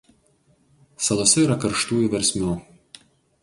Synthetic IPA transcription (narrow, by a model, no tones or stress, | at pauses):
sɐlˠoːsʲɛiːɾɐkɐɾʃt̪uːjuˑʋʲɛɾʲsʲmʲuː